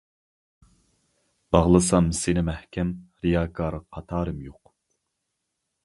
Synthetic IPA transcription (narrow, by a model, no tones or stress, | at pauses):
b̥ɑʁlˠɨsɑmsɪnɪmɛhkʲɛmɾijɑːkʰɑːɾqʰːɑt̪ʰɑːɾɨmjoq